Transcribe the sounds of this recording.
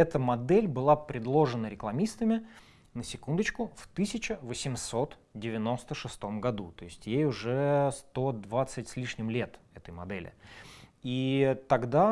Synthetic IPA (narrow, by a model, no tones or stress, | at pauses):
ɛt̪əmɐd̪ɛlʲbɨlˠapɾʲɪd̪lˠo̞ʐɨnəɾʲɪklˠɐmʲist̪əmʲɪ | nəsʲɪkund̪ət͡ɕkʊft̪ɨsʲɪt͡ɕəvəsʲɪmso̞t̪ | dʲɪvʲɪno̞st̪əʂɨst̪o̞mɡɐd̪ut̪o̞ɪsʲtʲjejʊʐɛst̪o̞d̪vat̪sɨtʲsʲlʲiʂnʲɪmlʲe̞t̪ɛt̪əjmɐd̪ɛlʲɪ̰ | it̪ɐɡd̪a